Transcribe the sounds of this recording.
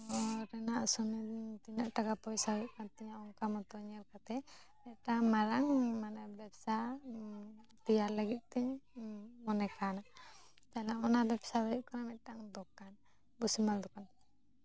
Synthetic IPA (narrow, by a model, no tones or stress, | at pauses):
ɔɾɛnaʔsɔmɛd̪iɲt̪iɲaʔʈakapɔjsaɔuʔ̚kant̪ɛɲaɔŋkamɔt̪ɔɲɛɾkat̪ɛ | mɛt̪̚ʈamaɾaŋmanɛbɛp̚sa | t̪ijaɾləɡit̪̚t̪ɛɲ | mɔnɛkanaʔ | t̪alaɔnabɛpsabɔuʔ̚kanamɛt̪̚ˀʈaŋd̪ɔkːan | busimald̪ɔkan